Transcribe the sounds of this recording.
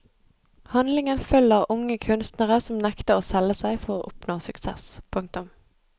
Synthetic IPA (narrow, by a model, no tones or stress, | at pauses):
hɑnlɪŋənfœləʁʊŋəkʰʉnst̪nəʁəsɔmnɛkt̪əoːsɛləsæɪfɔʁoːʔʊpnoːsʉksɛ̰spʰʊŋk̚t̪ʊm